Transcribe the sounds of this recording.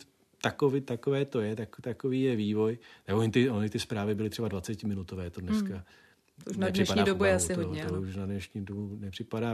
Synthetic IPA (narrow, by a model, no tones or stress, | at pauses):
t̪akovɪt̪akovɛːt̪o̞jɛt̪akt̪akoviːjɛviːvo̞jnɛoɲɪt̪ɪoɲɪt̪ɪspɾaːvɪbɪlɪt̪r̥ɛbadvat͡sɛcɪmɪnut̪ovɛːt̪odnɛska | uʃnadrɪɛʃpadɲaːdobujɛasɪooɲɛt̪ouʃnadnɛʃɲiːdobunɛpr̥ɪpadaː